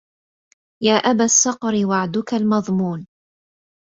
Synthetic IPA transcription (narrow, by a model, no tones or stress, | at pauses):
jaːʔabasːɑqɾɪwaʕd̪ʊkalmɑðˤmuːn